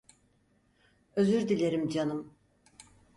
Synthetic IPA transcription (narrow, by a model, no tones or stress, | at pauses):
ø̞zyɾd̪ilʲe̞ɾimd͡ʒanɯm